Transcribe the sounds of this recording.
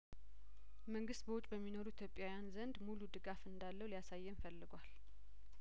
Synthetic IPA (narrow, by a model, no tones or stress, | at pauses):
məŋɡɨst̪̚bəwʊt͡ʃʼbəmːinoɾuit̪ʰjopʼːjawjanzənd̪mulud̪ɨɡafɨnd̪alːəwlijasajːɛmfəlːɨɡʷal